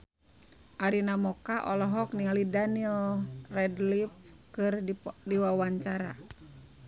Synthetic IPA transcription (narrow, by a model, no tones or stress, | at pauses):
ʔaɾinamɔkaʔɔlɔɦɔkniŋalidanilrɛdlip̚kɨrdiwawaɲt͡ʃaɾa